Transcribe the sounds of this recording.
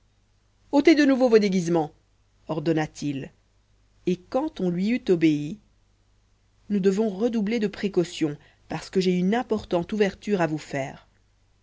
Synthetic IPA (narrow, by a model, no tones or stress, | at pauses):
ot̪ed̪ənuvovod̪eɡʲizmɑ̃ | ɔʁd̪ɔnat̪ʰil | ekɑ̃t̪ɔ̃lɥiyt̪ɔbei | nud̪əvɔ̃ʁəd̪ubled̪əpχekɔsjɔ̃ | paʁsə̥kəʒeynɛ̃pɔʁt̪ɑ̃t̪uvɛʁt̪yʁavufɛːʁ